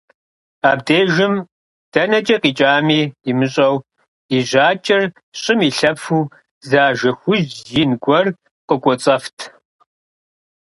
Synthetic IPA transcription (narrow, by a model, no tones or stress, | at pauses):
aːbdeːʒɨm | d̥ɐnɐt͡ʃʼɐqiːt͡ʃʼaːmiːimɨɕʼɐw | iʑaːt͡ʃʼɪr | ɕʼɪmiːɬɐpfuː | zaːʒɐxʷʊʑjɪnɡʷɔr | qəkʷʼɔt͡sʼɐftʰ